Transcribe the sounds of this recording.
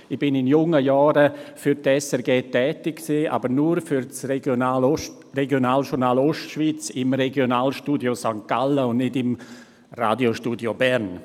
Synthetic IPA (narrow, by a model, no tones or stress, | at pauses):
ɪb̥ɪnɪnjʊŋəjɔːɾəfʏɾtɛsɛɾɡeːtɛːtɪkksiːa̰ːbəɾnuɾfyɾt͡sraː | reɡjonaːlʃʊɾnaːloʃtʃv̥iːt͡sɪmreɡjonaːlʃtuːdjosaŋkaləʊnnɪdɪm | ra̰ːdjoʃtuːdjobɛɾn